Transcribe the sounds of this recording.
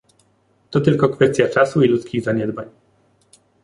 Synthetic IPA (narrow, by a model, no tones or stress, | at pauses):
t̪ɔt̪ɘlkɔkfɛst̪ʲjat͡ʂasuilut̪skʲiɣzaɲɛd̪baɲ